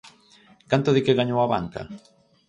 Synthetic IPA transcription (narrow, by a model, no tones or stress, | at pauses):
kant̪oðɪkɪɣaɲowaβa̰ŋka̰